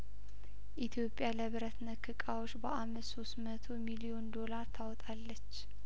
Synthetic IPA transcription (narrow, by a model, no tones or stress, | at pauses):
ʔit̪ʰjo̞pʼːjaləβɨɾət̪nəkʰːɨkʼawot͡ʃːbəʔamːɨsso̞st̪mət̪ʰomilio̞nd̪o̞laɾt̪ʰawɔt̪ʼalːət͡ʃː